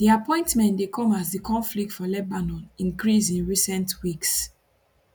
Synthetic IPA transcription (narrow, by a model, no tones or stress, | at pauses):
diapɔ̃ɪ̃ntmɛ̃ntdekʰɔ̃mazðikʰɔ̃nflik̚tfɔlɛbanɔ̃nĩŋkɹisĩnɹisɛ̃ntwiks